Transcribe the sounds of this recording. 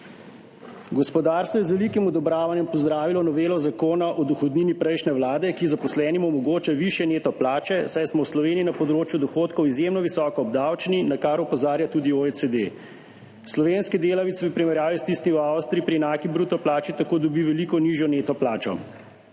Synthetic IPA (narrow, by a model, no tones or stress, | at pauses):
ɡɔspɔd̪aːɾst̪ʋɔjɛzʋɛlikimɔd̪ɔbɾaːʋanjɛmpɔzd̪ɾaːʋilɔnɔʋeːlɔzakoːnaʔɔd̪ɔxɔd̪niːnipɾɛjʃnɛwlaːd̪ɛkizapɔslɛːnimɔmɔɡoːt͡ʃaʋiʃjɛneːt̪ɔplaːt͡ʃɛsajsmɔwslɔʋeːniːnapɔd̪ɾoːt͡ʃjud̪ɔxoːt̪kɔwizjemnɔʋisɔːkɔːbd̪awt͡ʃninakaɾɔpɔzaːɾjat̪uːd̪ioesed̪e | slɔʋeːnskid̪eːlaʋit̪sʋipɾimɛɾjaːʋist̪ist̪imawst̪ɾiipɾiɛnaːkibɾuːt̪ɔplaːt͡ʃit̪akoːd̪ɔbiʋɛliːkɔniʒjɔnet̪ɔplaːt͡ʃɔ̰